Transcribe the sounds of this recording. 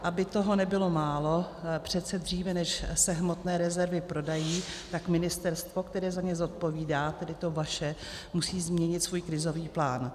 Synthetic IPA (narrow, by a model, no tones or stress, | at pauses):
ʔabɪt̪o̞ɦo̞nɛbɪlo̞maːlo̞pr̝̥ɛt̪t͡sɛd̪r̝iːvɛnɛʃsɛɦmo̞t̪nɛːɾɛzɛɾvɪpɾo̞dajiːt̪akmɪnɪst̪ɛɾst̪vo̞kt̪ɛɾɛːzaɲɛzo̞t̪̚po̞viːdaːt̪ɛdɪt̪ovaʃɛ | musiːzmɲɛɲɪt̪svuːjkɾɪzo̞viːplaːn